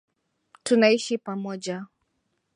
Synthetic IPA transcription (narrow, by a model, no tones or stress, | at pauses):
tunaiʃipamɔʄa